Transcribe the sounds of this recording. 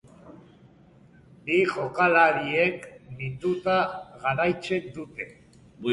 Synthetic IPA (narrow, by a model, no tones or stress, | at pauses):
biɣokalaɾieknit̪ut̪aɣaɾajt͡ʃe̞nd̪ut̪e̞